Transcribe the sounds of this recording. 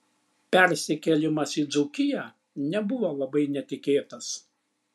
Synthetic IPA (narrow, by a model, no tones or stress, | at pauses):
pʲɛɾʲsʲɪkʲɛlʲɪmɐsid̪zʊkʲɪjæː | nʲɛbʊʋolˠɐbɐɪnʲɛt̪ʲɪkʲeːt̪ɐs